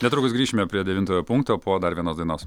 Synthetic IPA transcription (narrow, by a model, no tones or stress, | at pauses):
nʲɛt̪ɾʊːkʊsɡɾʲiːʃʲɪmʲɛpʲɾʲiɛd̪ʲɛʋʲɪnt̪oːjoːpʊŋkt̪oːpoːd̪ɐɾʋʲiɛnoːsd̪ɐɪnoːs